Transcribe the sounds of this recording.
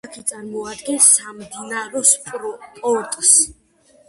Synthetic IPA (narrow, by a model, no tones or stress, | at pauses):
akʰit̪sʼaɾmɔad̪ɡɛnsːamd̪inaɾɔspʼpʼɔɾt̪ʼs